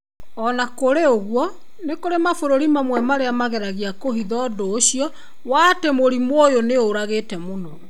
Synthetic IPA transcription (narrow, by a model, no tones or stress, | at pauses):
ɔnakoɾeoɣwɔ | nekoɾemafoɾoɾimamwɛmaɾeamaɣɛɾaɣiakoɦiðɔdoːɕiɔ | waːtemoɾimwojoneoɾaɣetɛmonɔ